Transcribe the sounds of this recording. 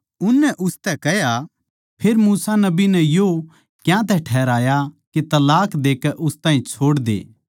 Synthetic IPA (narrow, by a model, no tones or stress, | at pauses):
ʊnːɛʔʊst̪ɛkɛɦja | pʰeːɾmuːsanɐbinɛjo | kjãt̪̬ɛʈʰɛːɾaːjaket̪ɐlaːkd̪eːkɛʔʊst̪aːɦĩt͡ʃʰoːɽd̪ḛː